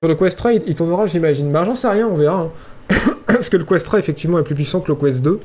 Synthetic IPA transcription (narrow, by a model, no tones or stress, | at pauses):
yʁləkwɛst̪χɛiit̪uʁnəʁaʒimaʒinbaʒɑ̃sɛʁjɛ̃ɔ̃vɛʁaɛ̃ | asə̥kələkwɛst̪χaefɛk̚t̪ivmɑ̃ɛplyp̬ɥisɑ̃kələkwɛsd̪ø